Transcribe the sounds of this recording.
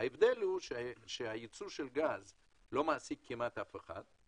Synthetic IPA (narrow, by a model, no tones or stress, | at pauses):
aevd̪elhuʃʃehajit͡suʃe̞lɡaz | lo̞maːsikʰːimat̪afeχa̰d̪